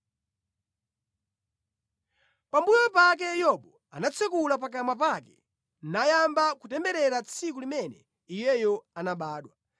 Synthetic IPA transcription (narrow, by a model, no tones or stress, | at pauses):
pambujɔpak̬ɛjɔɓɔ | a̰nat͡sʰɛk̬ulap̬ak̬amwap̬akɛ̥ | najambakutɛmbɛɾɛɾat͡sʰik̬ulimɛnɛ | ijɛjɔanaɓaːɗwa